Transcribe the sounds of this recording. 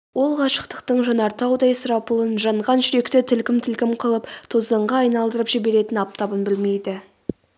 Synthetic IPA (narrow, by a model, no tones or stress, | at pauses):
wʔo̞lˠʁɑʃə̥qt̪ə̥qt̪əɴʒɑnɑɾt̪ɑwd̪ɑjsʊɾɑpəlˠənʒɑɴʁɑnʒʏɾe̞kt̪ɪt̪ʰɪlkʲɪmt̪ʰɪlkʲɪmqʰəlˠəpt̪ʰozd̪əɴʁɑːjnɑlˠd̪əɾəpʒ̥ibe̞ɾe̞t̪ɪnɑp̚t̪ɑbənbɪlme̞jd̪ɪ